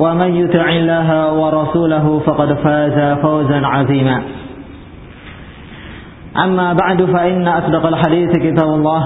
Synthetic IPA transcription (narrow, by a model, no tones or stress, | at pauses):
wamanjʊt̪ˤɪʕɪlːaːɦawɑɾˤɑsuːlaɦʊfɑqɑd̪faːzafawzanʕɑðˤiːmaː | ʔamːaːbaʕd̪faʔɪnːaʔasdɑqalħad̪iːθkɪt̪aːbʊlˤːɑːh